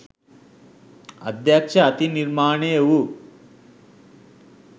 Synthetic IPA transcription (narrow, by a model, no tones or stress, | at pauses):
ɐ̰d̪jakʂɐːt̪iniɾmaːɳejɐwu